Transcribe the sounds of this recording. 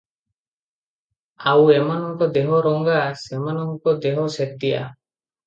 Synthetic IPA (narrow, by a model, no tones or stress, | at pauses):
awemanɔŋkɔd̪eɦɔɾɔŋɡasemanɔŋkɔd̪eɦɔset̪ːija̰